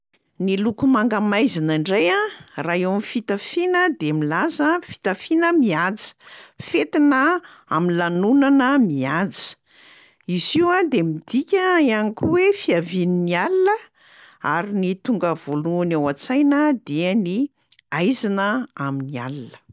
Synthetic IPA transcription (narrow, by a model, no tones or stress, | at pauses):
nilukumaŋɡamajzinəɳɖ͡ʐajaraɦewamifit̪afinəd̪emilazəfi̥t̪afinəmiat͡si̥fet̪inə | a̰minlanunanəmiat͡si̥ | iziwad̪emid̪̥ikʲəianikʲuwefiavininialilə | a̰ɾinit̪uŋɡəv̥oluanewat͡sajnəd̪eəni | ajzinəaminia̰lilə̥